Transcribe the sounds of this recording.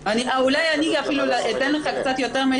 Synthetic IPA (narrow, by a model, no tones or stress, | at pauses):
aniʔaulajaniɡiafilulaʔet̪eneχakt͡sat̪jo̞t̪eʁme